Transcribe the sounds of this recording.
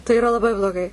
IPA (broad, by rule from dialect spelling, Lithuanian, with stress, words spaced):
tɐɪ ɪˈrɐ lˠɐˈbɐɪ blˠoːˈɡɐɪ